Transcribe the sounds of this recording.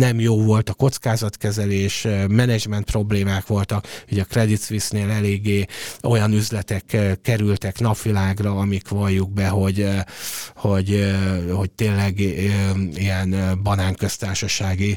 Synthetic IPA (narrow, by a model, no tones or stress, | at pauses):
nɛmjoːvo̞lt̪ɒko̞t̪skaːzɒt̪kɛzɛleːʃmɛnɛd͡ʒmɛnt̪̚pro̞bleːmaːkʋo̞lt̪ɒkhoɟɒkrɛd̪it̪sʋisneːlɛleːɡːeːo̞jɒnyzlɛt̪ɛkkːɛɾylt̪ɛkn̪ɒpʋilaːɡrɒːmikʋɒjːuɡ̚bɛɦo̞ɟ | ho̞ɟho̞c̚t̪eːlɛɡ | iɛnbɒnaːŋkø̞st̪aːrʃɒʃaːɡi